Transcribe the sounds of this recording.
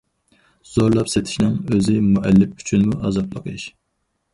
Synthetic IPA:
z̥oɾlˠɑpset̪ʰɪ̥ʃnɪŋøzɪmuʔɛlːɪpy̥t͡ʃʰynmuʔɑzɑplˠə̰qʰɨʃ

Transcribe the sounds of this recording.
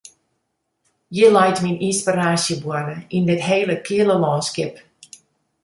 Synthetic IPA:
jəlɛjtminʔinspiraːsjəbwɔdəindɪtɦeːləkʰɪələlɔːnskɪp

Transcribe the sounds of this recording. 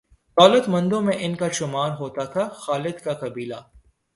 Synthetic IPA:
d̪̥ɔːlət̪mɐ̃nd̪õmẽʔɪnkaʃʊmaːɾɦoːt̪at̪ʰaxaːlɪd̪kakɐbiːla

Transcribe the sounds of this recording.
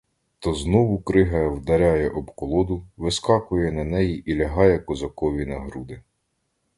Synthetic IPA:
t̪ɔznɔʋʊkɾɪɦɐwd̪ɐɾʲajɛʔɔbkɔlˠɔd̪ʊʋɪskɑkʊjɛnɐnɛjiʔilʲɐɦɑjɛkɔzɐkɔʋʲinɐɦɾud̪ɪ

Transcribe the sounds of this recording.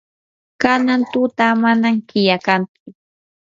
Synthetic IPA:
kanant̪ʊt̪amanaŋkɪjakant͡sʊ

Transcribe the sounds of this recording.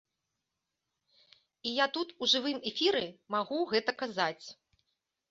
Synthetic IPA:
ijat̪ut̪uʐɨvɨmɛfʲiɾɨmaɣuɣɛt̪ɐkazat͡sʲ

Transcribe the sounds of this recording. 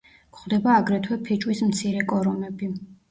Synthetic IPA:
kʰχwd̪ɛbaːɡɾɛt̪ʰwɛpʰit͡ʃʼwismt̪sʰiɾɛkʼɔɾɔmɛbi

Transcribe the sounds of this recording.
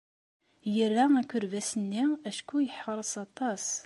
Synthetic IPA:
jəɾːæækːʊɾvæsənːiæʃkujəħəɾˤəsɑt̪ˤɑs

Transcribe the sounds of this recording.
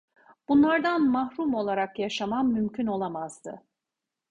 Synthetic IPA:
b̥unlˠaɾd̪anmahɾumo̞lˠaɾakjaʃamamːymcʰyno̞lˠamaz̥d̪ɯ

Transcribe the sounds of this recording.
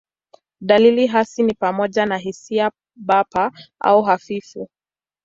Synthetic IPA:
ɗaliliɦasinipamɔʄanaɦisia | ɓapaʔa̰uɦafifu

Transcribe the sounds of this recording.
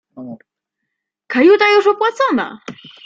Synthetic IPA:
kajut̪ajuʂɔpwat̪sɔna̰

